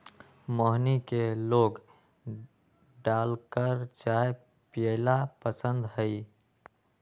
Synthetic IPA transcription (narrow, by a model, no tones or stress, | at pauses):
məɦnikeloɡ | ɖalkəɾt͡ʃae | pijelapəsənd̪ɦəj